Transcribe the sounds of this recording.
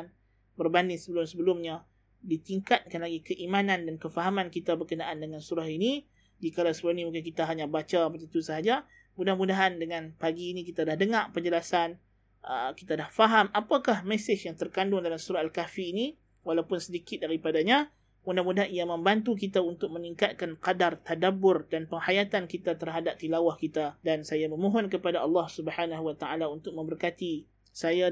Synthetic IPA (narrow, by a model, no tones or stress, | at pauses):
n | bərbandɪŋsəbəlʊmsəbəlʊmɲã | dit̪iŋkat̪̚kanlaɡikəʔimanãndankəfaɦamãnkit̪abərkənaʔandəŋansuɾahini | d͡ʒikalawsəbəlʊmnimuŋk̬ɪnkit̪aɦaɲabat͡ʃapət̪ənt̪usəɦad͡ʒa | mudahmudaɦandəŋãnpaɡiːnik̬it̪adahdəŋaʔpərd͡ʒəlasan | ʔə̰kit̪adahfaɦamapakahmɛsɪt͡ʃjaŋt̪ərkandʊŋdalamsuɾaalkafiːni | walawpʊnsədikɪt̪̚daɾipadaɲã | mudahmudaɦanijamə̃mbant̪uk̬it̪aunt̪ʊk̚məniŋkat̪̚kanqadart̪adabʊrdanpəŋhajat̪ankit̪at̪ərɦadap̚d̪ilawahkit̪adansajaməmõɦɔnkəpadaɑlːɑhsubəhanaɦuwat̪aalaunt̪ʊk̚mə̃mbərkat̪i | saja